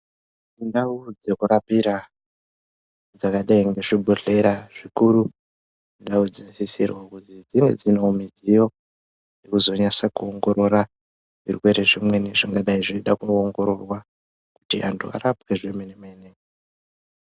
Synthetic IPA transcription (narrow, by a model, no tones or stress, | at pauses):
indaud͡zekuɾapiɾa | d͡zakaɗaiŋɡe̞ʐibʱoɬe̞ɾaʐ̥ikuɾu | indaud͡zisisirwakutid͡ziŋɡe̞̰d͡zinoumizijo̞ | jekuzo̞ɲasakuoŋɡo̞ɾo̞ɾa | ʐḭrwe̞ɾeʐimwe̞neʐiŋɡaɗaiʐiiɗakuoŋɡo̞ɾo̞rwa | kutia̰ntʰua̰ɾapkeʐemenemainei